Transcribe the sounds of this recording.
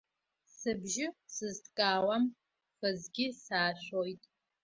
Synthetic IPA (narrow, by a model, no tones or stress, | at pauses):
sɨbʒɪsɨztkʼaːwɐm | fɨzɡʲisaːɕʷojtʼ